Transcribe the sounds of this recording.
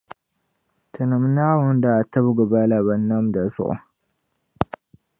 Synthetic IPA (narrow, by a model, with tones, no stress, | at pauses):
t̪ʰɨ˨nə˨mna˦wʊ˦nd̪a˨t̪ːɐ˦bɡə˨ba˦la˨βɐ˨nːa˦md̪a˨sṵ˦ʔ